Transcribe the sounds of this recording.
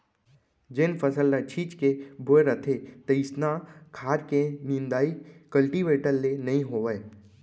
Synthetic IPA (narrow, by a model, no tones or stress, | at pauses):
d͡ʒenfʰɐsəlːat͡ʃʰiːt͡ʃkebʱoeɾət̪ʰet̪ɐɪsnakʰaːɾkeniːnd̪aːikɐlʈiʋeːʈəlːenɐɦĩɦoːʋəe